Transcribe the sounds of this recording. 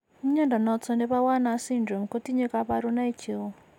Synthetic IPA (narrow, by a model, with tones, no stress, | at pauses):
mi˦ɲa˦nda˨nɔ˨t͡sʰɔ˦ndɛ˦βa˦wa˦nasi˦ndrɔ˨mko˦ti˦ɲe˦kaβa˦ɾu˦na˦i˦t͡ʃʰe˦wɔ˦